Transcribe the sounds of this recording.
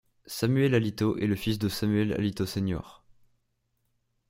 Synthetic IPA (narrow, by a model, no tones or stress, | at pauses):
samyɛlalit̪oʔɛləfisd̪əsamyɛla̰lit̪osenjɔ̰ːʁ